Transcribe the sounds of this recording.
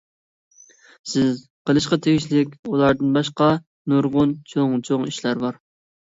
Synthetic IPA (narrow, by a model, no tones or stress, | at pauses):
sɪz | qəlˠɨʃqɑt̪ʰeɡʲiʃlɪkʲulˠɑɾd̪ɨnbɑʃqɑ | nuɾʁʊnt͡ʃʰoŋt͡ʃʰoŋiʃlæɾbɑɾ